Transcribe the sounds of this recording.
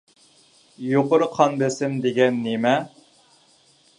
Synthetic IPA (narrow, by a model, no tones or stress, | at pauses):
joqʊɾqʰɑnbesɪmd̪eɡʲɛnːemɛ